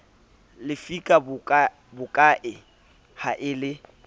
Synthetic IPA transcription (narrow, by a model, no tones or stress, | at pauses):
lɪfikʼabʊkʼa | bʊkʼaʔɪ | haʔɪlɪ